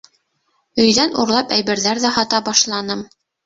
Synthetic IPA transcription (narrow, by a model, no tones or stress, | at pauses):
ɵ̆jðænṵɾlˠɑpæjβɘ̆ɾðæɾðæhɑt̪ɑbɑʃlˠɑnɤm